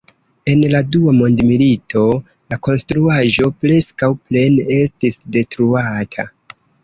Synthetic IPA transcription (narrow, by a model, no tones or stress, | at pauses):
e̞nladuamo̞ndmilitʰo̞ | lako̞nstɾuaʒo̞pɾe̞skawple̞ne̞stisde̞tɾuatʰa̰